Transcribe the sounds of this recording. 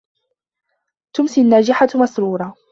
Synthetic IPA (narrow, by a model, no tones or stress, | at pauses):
t̪ʊmsinːaːd͡ʒɪħamasɾuːɾˤɑ